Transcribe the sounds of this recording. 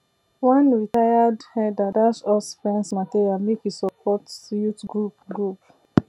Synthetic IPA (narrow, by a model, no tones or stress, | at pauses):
wɛ̃nɹitajadhɛdadaʃɔsfɹɛ̃nsmatiɹiamekisɔpʰɔtsjutɡɹupɡɹup